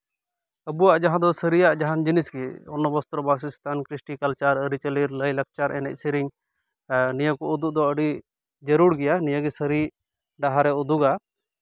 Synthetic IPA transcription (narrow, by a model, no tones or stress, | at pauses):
əbuwaʔd͡ʒaɦãd̪ɔsəɾijaʔd͡ʒaɦand͡ʒinisɡiɔnɔbɔst̪ɾɔbasist̪ankɾisʈikalt͡ʃaɾəɾit͡ʃəliɾləjlək̚t͡ʃaɾʔɛ̰nɛ̰c̚ˀsiɾiɲ | nijəkɔʔud̪uk̚d̪ɔəɖi | d͡ʒəɾuɽɡɛjanijəɡɛsəɾi | ɖaɦaɾɛud̪uka